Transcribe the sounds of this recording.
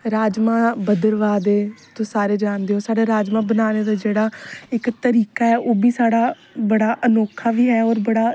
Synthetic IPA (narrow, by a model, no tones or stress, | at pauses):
ɾaːd͡ʒmãːbəd̪əɾʋaːd̪eːt̪õːsaːɾeːd͡ʒaːnd̪eːɦoːsaːɽeːɾaːd͡ʒmãːbənaːneːd̪aːd͡ʒeːɽaːɪkt̪əɾiːkaːɛːʔoːbiːsaːɽaː | bəɽaːʔənoːkʰaːʋiːɦɛːɔːɾbəɽaː